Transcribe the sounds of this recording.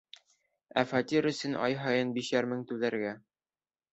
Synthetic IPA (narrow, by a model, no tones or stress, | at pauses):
æ̰fɑt̪ʲiɾɵ̆sɘnʔɑ̰jɦɑjɤnbiʃæɾmɘŋt̪ʉðæɾɡæ